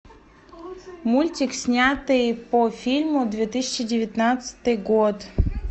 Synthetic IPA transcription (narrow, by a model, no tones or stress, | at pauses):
mulʲtʲiksʲnʲat̪ɨjpofʲilʲmʊd̪vʲet̪ɨsʲɪ̥t͡ɕɪdʲɪvʲɪt̪nat̪sə̥t̪ɨjɡot̪